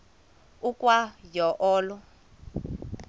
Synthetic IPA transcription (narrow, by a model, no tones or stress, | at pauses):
ukʼwajɔʔɔːlɔ